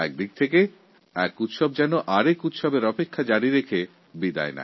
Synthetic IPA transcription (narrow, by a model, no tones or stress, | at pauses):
ɛk̚d̪ik̚t̪ʰeke | ɛkut̪ʃɔb̚d͡ʑɛnoʔaɾekut̪ʃɔbeɾɔpekʰːad͡ʑaɽiɾekʰe | bid̪a̰ena̰